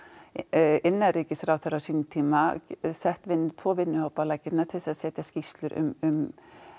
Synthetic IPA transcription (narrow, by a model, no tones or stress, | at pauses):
ɪnːariːcɪsɾawθɛɾawsiːnɪt̪ʰiːmasɛht̪vɪnːʏt̪ʰvɔːvɪnːʏhoːwpalaːjcɪt̪naɾt̪ʰɪlsaðsɛːt̪jascist̪lʏɾʔʏ̰mʏm